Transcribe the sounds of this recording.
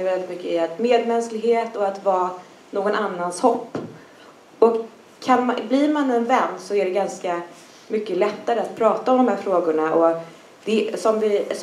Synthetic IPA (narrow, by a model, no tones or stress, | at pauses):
jvɛlːɪt̪mʏkːəɪat̪meːd̪mɛnsklɪɡheːt̪ɔat̪vɑː | noːɡɔnʔanːanshɔpː | ɔk | kʰːanmblɪɾmanɛnvɛnd̪sɔæɖɛɡanska | mʏkːəlɛt̪ːaɾəat̪pʰɾɑːt̪aɔmd̪ɔmhæːɾfɾoːɡʊɳaʔɔ | d̪̥ɛsɔmvɪs